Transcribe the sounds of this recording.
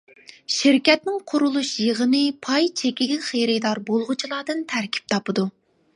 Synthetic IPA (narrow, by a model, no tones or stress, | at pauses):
ʃiɾkʲɛt̪nɪŋqʰʊɾulˠuʃjeʁənɨpʰɑjt͡ʃʰekʲiɡʲɛχejɾɪd̪ɑɾbolˠʁʊt͡ʃʰilˠɑːd̪ɨnt̪ʰæɾkʲʰi̥p̚t̪ʰɑpɨd̪u